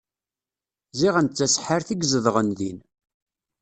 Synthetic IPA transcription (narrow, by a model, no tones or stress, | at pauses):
ziʁænt͡sːæsħəɾθiɡzəðˤʁənðin